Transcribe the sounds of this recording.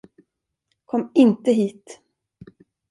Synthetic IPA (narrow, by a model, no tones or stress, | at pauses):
kʰɔmːɪnt̪əɦiːt̪